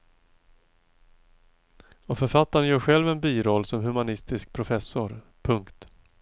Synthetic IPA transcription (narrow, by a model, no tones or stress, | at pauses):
ɔfœɾfat̪ːaɾənjœːɾɧɛlvɛnbiːɾɔlːsɔmɦɵmanɪst̪ɪsk̚pʰɾʊfɛsːʊɾ | pʰɵŋkt̪